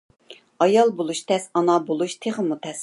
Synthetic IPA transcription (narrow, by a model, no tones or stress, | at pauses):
ɑjɑlˠbolˠuʃt̪ʰɛsɑnɑbolˠuʃt̪ʰeχəmut̪ʰɛs